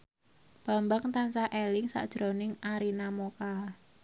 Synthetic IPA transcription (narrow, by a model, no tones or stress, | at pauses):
b̥a̤mbaŋt̪ansaʔelɪŋsa̰ʔd̥ʒ̥ɾonɪŋaɾinamoka